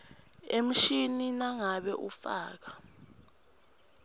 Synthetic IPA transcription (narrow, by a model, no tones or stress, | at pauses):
em̩ʃininaŋaɓɛʔufaːk̬ḁ